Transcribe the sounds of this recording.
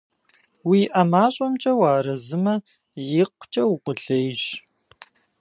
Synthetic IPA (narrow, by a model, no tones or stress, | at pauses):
wiːʔɐmaːɕʼɔmt͡ʃʼɐwaːɾɐzɨmɐ | jɪqʷt͡ʃʼɐwqʷʊɬejɕ